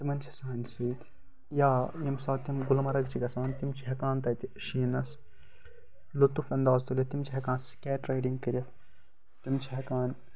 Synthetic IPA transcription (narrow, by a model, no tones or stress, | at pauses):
t̪imɐnt͡ʃʰɐ̥saːnsiːt̪ʰ | jaːjɐmsaːt̪imɡulmɐɾɐɡt͡ʃʰikɐsãːnt̪imt͡ʃʰiɦɐkaːnt̪ɐt̪iʃiːnɐs | lot̪ufɐnd̪aːzt̪ulʲɐt̪imt͡ʃʰiɦɐkãːnskʲɛːʈɾɐjɖiŋɡkɐɾʲɐ | t̪imt͡ʃʰiɦɐkaːn